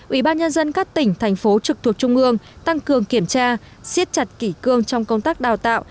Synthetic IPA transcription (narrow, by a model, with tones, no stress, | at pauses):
ʔwḭ˧˩ɓaː˧nɲə˧nzə˧nkaː˦˥k̚t̪ï˧˩ŋ̟t̪ʰɛ˨˩jŋ̟fo˨˦t͡ɕɨ˨˩k̚t̪ʰu˨˩ək̚t͡ɕʊ˧ŋ͡mʔɨ˧əŋt̪a˧ŋkɨ˨˩əŋki˧˩əmt͡ɕaː˧ | si˦˥t̚t͡ɕa˨˩t̚ki˧˩kɨ˧əŋt͡ɕɔ˧wŋ͡mkə˧wŋ͡mt̪aː˦˥k̚ɗaː˨˩wt̪a̰ː˧˨wʔ